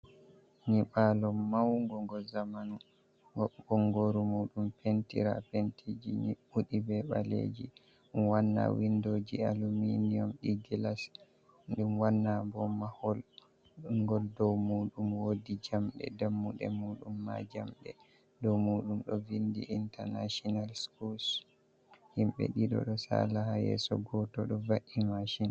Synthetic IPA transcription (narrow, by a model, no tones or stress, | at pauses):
niɓalɔmːawŋɡɔŋɡɔzamanu | ŋɡɔɓɔŋɡoɾumuːɗumpentḭɾa̰pentʰid͡ʒḭniɓuɗibɛɓa̰lḛd͡ʒḭ | wanːa̰windoːd͡ʒialuminijɔmɗiɡilas | ɗumwanːabɔmahɔl | uŋɡɔldɔmuːɗumwodid͡ʒamɗɛ̰damːuɗɛmuɗumːa̰d͡ʒamɗɛ | dɔwmuɗumɗɔvindiʔintɛɾnaʃɔnalskuls | himɓɛ̰ɗiɗɔ̰ɗɔsa̰lahajɛ̰sɔɡɔtɔɗɔvaʔimaʃin